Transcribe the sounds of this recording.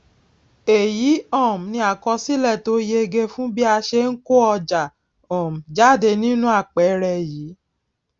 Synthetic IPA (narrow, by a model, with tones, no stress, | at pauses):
e˨ji˨˦ɔ˦˨m̩˨nĩ˧a˨kɔ˧si˦lɛ˦˨to˨˦je˧ɡe˧fũ˦bi˦a˧ʃe˧ŋ̩˦ko˦ɔ˧d͡ʒa˨ | ɔ̃˨m̩˨d͡ʒa˦˨de˧nĩ˦nũ˦a˦˨k͡pɛ˨˦ɾɛ˧˨jiː˨˦